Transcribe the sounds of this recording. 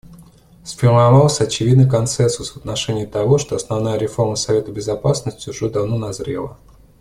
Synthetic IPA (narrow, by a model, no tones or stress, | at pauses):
sfʲɪrmavɑlˠsʲəɐt͡ɕɪvʲid̪nɨjkɐnt̪sɛnsʊsvət̪̚nɐʂɛnʲɪːət̪ɐvo̞ʂt̪o̞ɐsnɐvnajəɾʲɪfo̞rməsɐvʲe̞t̪əbʲɪzɐpasnəsʲtʲɪʊʐɛd̪ɐvno̞nɐzɾʲḛlˠə̰